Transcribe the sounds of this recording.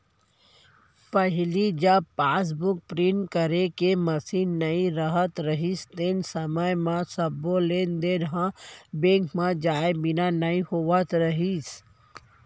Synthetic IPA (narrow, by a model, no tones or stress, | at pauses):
pəɦɪlid͡ʒəbpaːs̬bʊk̚pɾinʈkəɾekeməsiːnːəĩɾəɦət̪ɾəɦist̪ensəməjmãsəboleːnd̪eɾɦãbẽːŋkmãd͡ʒaːebɪnanəĩhoʋət̪ɾəɦis